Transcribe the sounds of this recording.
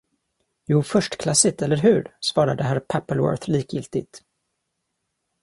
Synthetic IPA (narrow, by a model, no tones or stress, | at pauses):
juːfœʂʈkʰlasɪt̪ɛlːəɾɦɵɾsvɑːɾad̪əɦæɾpʰapːəlwœ̰ɾθliːkjɪlt̪ɪt̪